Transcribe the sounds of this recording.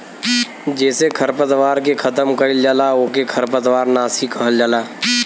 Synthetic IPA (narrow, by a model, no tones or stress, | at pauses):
d͡ʒɛːsekʰəɾpət̪ʋaːɾkekʰɐt̪əmkəild͡ʒalaoːkekʰəɾpət̪ʋaːɾnaːsikəɦəld͡ʒaːlaː